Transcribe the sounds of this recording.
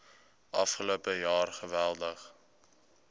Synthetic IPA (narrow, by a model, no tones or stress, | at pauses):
ʔɐfχəloəpəjɑːrχəvælˠdəχ